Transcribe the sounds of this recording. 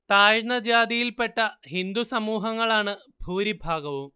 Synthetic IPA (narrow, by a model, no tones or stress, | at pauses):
t̪aːjɳɐd͡ʑaːd̪ijilpeʈːɐɦind̪usɐmuːɦɐŋːɐɭaːɳɨ | bʱuːɾibʱaːɡɐʋum